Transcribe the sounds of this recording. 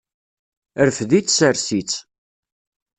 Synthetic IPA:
əɾfðit͡sːsəɾsit͡s

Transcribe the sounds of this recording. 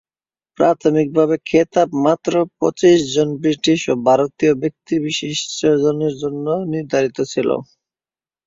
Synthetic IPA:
pɾat̪ʰomik̚bʱaβekʰet̪apmat̪ːɾopɔt͡ɕiʃd͡ʑonbɾiʈiʃobʱaɾot̪iobek̚t̪ibiʃiʃɔd͡ʑoneɾd͡ʑonːoniɾd̪ʱaɾit̪ot͡ɕʰilo̰

